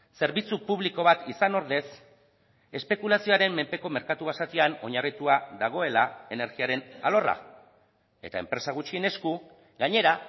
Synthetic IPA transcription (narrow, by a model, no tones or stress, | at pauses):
se̞ɾβit͡supuβ̞liko̞β̞at̪isano̞ɾðe̞s | e̞spe̞kulasioaɾe̞mːe̞mpe̞ko̞me̞ɾkat̪uβasat̪iano̞̰ɲarit̪uaðaɣ̞o̞e̞lae̞ne̞ɾɣiaɾe̞nalo̞ra̰ | e̞̰t̪aempɾe̞saɣ̞ut͡ʃie̞ne̞sku | ɡaɲe̞ɾa